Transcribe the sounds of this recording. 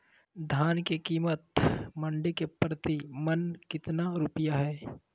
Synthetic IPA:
d̪ʱaːnkekiːmət̪mɐ̃ɳɖekepɾət̪imənkɪt̪naɾupɪjaɦɛː

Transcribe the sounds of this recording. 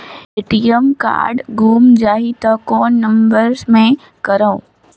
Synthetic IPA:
ɪʈijəmka̰ːɾɖɡuːmd͡ʒaːɦit̪ɐkɔːnːɐ̃mbəɾzmẽ | kɐɾaõ

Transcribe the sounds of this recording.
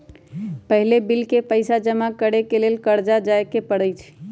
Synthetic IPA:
pəɦlebilkepəɪsad͡ʒəmakəɽekelelkəɾd͡ʒad͡ʒaekepəɽəjt͡ʃʰ

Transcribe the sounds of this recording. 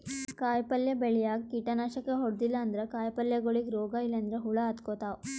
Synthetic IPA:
kaːjpɐljɐbeɭijaːɡ̚kiʈɐnaːʃɐkːeɦɔɽd̪ilːɐːnd̪ɐɾekaːjpɐljɐɡoɭiɡɾɔːɡailːɐnd̪ɾeɦuɭɐːd̪koːt̪aː

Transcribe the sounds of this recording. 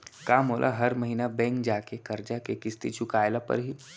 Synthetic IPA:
kaːmɦoːlʔa̰ɦɐɾmɐɦiːnabɛ̃ːŋkd͡ʒaːkekɐɾd͡ʒakekɪst̪it͡ʃʊkaːjlapɐ̰ɾɦiː

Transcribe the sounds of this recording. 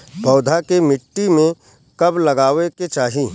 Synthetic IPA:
pɔːd̪ʱakemɪʈːimẽ | kɐblɐɡaːʋeket͡ʃaːɦiː

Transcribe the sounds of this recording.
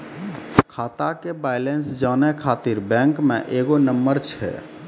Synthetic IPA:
kʰat̪akebajlensd͡ʒanɛkʰat̪iɾbɛ̃ŋkmḛʔeɡonəmbəɾt͡ʃʰɛ̰

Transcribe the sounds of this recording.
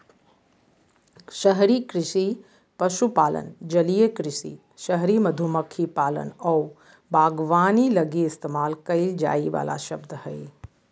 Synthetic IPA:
ʃəɦɾikɾɪʃi | pɐʃupaːlə̰nd͡ʒɐlijəkɾɪʃḭ | ʃəɦɾimɐd̪ʱuməkʰipaːlə̰nɔː | bʱaːɡʋaːnilɐɡiɪst̪eːmaːlkɐild͡ʒa̰ːiʋa̰ːla̰ʃɐbd̪hɐi

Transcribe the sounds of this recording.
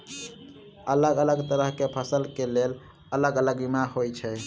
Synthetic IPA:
ələɡələɡt̪əɾəɦkepʰəsəlkelel | ələɡələɡbimaɦojt͡ʃʰɛ

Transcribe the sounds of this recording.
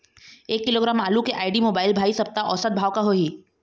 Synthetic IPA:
eːkːɪloːɡɾaːmaːlukeʔaːɪɖimoːbaːɪlbʱaːisɐp̚t̪aʔɔːsət̪̚bʱaːwkaɦoɦiː

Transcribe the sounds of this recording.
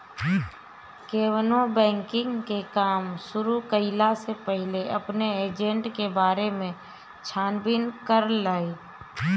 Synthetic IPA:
keːwnobɛ̃ːŋkɪ̃ŋɡkekaːmsʊɾukəɪlasepəɦɪleʔəpneeːd͡ʒẽɳʈkebaːɾemẽ | t͡ʃʰaːnbɪnkəɾlaːi

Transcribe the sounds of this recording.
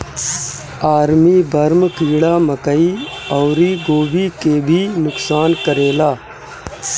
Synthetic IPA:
aːɾmibɐɾmkiːɽaːməkəiɔːɾiɡoːbikeːbʱinʊksaːnkəɾeːlaː

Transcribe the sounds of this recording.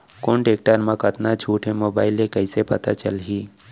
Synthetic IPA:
konʈeːk̚ʈəɾmãkət̪nad͡ʒʰʱuːʈʰẽmoːbaːɪlẽkəisepət̪a̰t͡ʃəlɦi

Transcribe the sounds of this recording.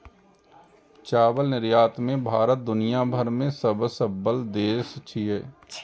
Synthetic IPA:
t͡ʃaːbəlnɪɾjaːt̪mẽbʱaːɾət̪̚d̪ʊnijabʱəɾmẽsəbsəbːəld̪eːst͡ʃʰijeː

